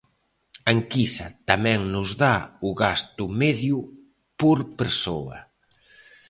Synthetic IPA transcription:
aŋkisɐt̪amɛ̃ŋnʊzðaʊɣast̪ʊmɛðjʊ | poɾpeɾsoɐ̰

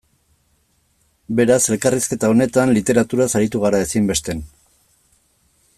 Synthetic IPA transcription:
be̞ɾase̞lkariske̞t̪ao̞ne̞t̪anlit̪e̞ɾat̪uɾasaɾit̪uɣ̞aɾae̞simbe̞st̪e̞n

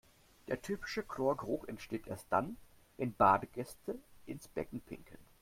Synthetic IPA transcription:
d̥eːɐtʰyːpɪ̥ʃəkʰloːɐɡʁʊxʔɛntʃteːtʔḛːɐst̚d̥a̰n | vɛnbaːdəɡɛstʰəʔɪnsb̥ɛ̰kŋ̩pʰɪ̰ŋkʰən

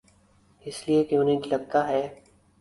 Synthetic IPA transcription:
ɪsliekjõːnẽd͡ʒlɐɡ̚t̪aɦɛː

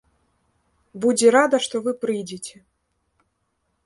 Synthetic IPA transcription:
bud͡zʲɛɾad̪ɐʂt̪ɔvɨpɾɨjd͡zʲet͡sʲɛ

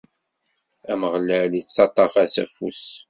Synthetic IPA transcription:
æməʁlælit͡sːɑt̪ˤːɑfæsæfus

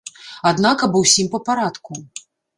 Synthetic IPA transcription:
ad̪nakɐbɔwsʲimpɐpaɾat̪ku

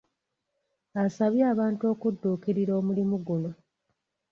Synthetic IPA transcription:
asaβjaːβaːntuo̞ːkudːuːkiɾiɾo̞ːmulimuɡulo

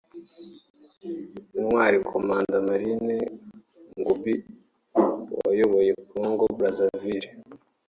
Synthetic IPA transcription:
nwaːɾikʰomaːndamaɾine | ŋɡubi | wa̰joβojekuŋɡobɾazaviɾi

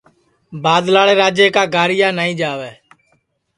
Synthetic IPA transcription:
baːd̪laːɽeːɾaːd͡ʒeːkaːɡaːɾɪjaːnaːĩːd͡ʒaːʋɛː

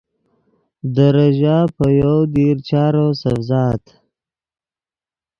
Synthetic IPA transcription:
d̪əɾaʒapəjawd̪eɾt͡ʃɑːɾosafzɑːt̪

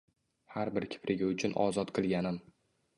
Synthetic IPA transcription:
haɾbɪɾkʲʰɪ̥pʰɾʔɪɡʲaʊt͡ʃʰʊnʔɒ̰zɒt̪qʰɨlˠɡʲanɪm

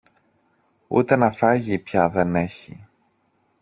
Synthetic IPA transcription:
ṵt̪e̞nɐfɐʝipçɐðe̞ne̞çḭ

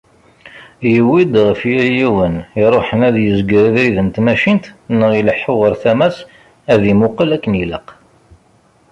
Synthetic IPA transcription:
jəwid̪ʁəfjiljiwəniɾˤoħənæðjəzɡɾəðɾiðənt̪mæʃint̪nəʁiləħːoʁəɾθæmæs | æðimʊqəlækːəniləq

